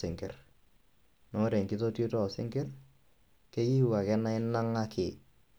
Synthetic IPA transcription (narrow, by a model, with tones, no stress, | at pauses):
sɪ˨ŋkɪ˨r | nɔ˨˦ɾe˨ŋki˦to˦to˦tɔ˦˨sɪ̰˦ŋkɪ˦r | ke˦ji˦wa˨kɛ˦na˦ɪ˦na˦ŋa˦kʰɪ˨